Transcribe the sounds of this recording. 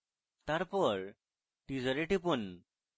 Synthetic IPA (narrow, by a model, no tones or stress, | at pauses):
t̪aɾpəɾ | ʈid͡zəɾeʈipun